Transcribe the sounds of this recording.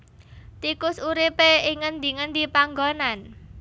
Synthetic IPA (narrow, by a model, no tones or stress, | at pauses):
t̪ikʊsuɾipeiŋənd̪i̤ŋənd̪ipaŋɡonan